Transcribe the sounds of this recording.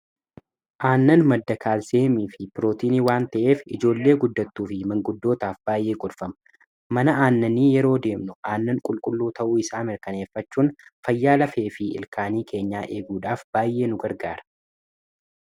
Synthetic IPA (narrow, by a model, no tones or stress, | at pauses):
ʔaːnːɐnmɐd̪ːɐkʰaːlseːmiːfɪpɪɾo̞ːt̪iːniwaːnt̪ɐʔe̞ːfɪd͡ʒo̞ːlːe̞ːɡʊd̪ːɐt̪ːuːfɪmɐŋɡʊd̪ːo̞ːt̪aːfbaːjʔe̞ːkʼʊlfɐmɐ̥ | mɐnɐaːnːɐniːjɛɾo̞ːd̪e̞ːmnʊaːnːɐŋkʼʊlkʼʊlːuːt̪ɐʔuːɪsaːmɪɾkɐne̞ːfːɐt͡ʃːuːnfɐjːaːlɐfeːfɪɪ̰lkʰaːniːkʰe̞ːɲːaːʔe̞ːɡuːᶑaːfb̥aːjʔe̞ːnʊɡɐɾɡaːɾɐ̥